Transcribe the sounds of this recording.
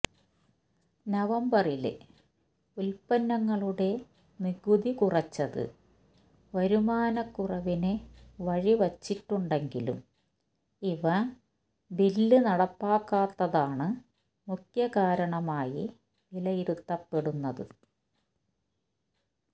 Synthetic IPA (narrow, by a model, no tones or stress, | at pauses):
nɐʋɐmbɐrilḛ | ulpɐnːɐŋːɐɭuɽe̞ | niɡuðikurɐt͡ɕːɐðɨ̰ | ʋɐɾumaːnɐkːurɐʋineʋɐɻiʋɐt͡ɕːiʈːuɳɖe̞ŋɡilṵm | iʋɐ | bilːɨnɐɽɐpːaːkːaːt̪ːɐðaːɳɨ | mukjɐkaːɾɐɳɐmaːji | ilɐjiɾut̪ːɐpːe̞ɽunːɐðɨ̰